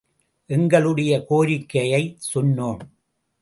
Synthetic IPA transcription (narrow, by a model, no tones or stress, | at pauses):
ʔɛŋɡɐɭɯɽɐjɐkoːɾɪkːɐjɐɪsʊnːoːm